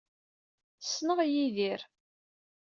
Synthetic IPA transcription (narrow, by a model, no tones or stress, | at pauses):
sːnəʁjiðiɾ